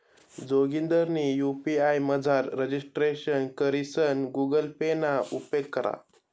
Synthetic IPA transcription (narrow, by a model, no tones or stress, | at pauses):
d͡zoɡind̪əɾnijupiajməd͡zʱaɾːəd͡ʑisʈɾeɕənkəɾisənɡuɡəlpenaupekːəɾa̰